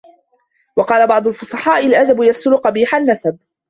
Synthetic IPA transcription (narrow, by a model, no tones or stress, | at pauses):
wɑqɑːlabɑʕd̪ˤʊlfʊsˤɑħɑːʔɪlʔad̪abʊjasʊlʊqɑbiːħanːasab̚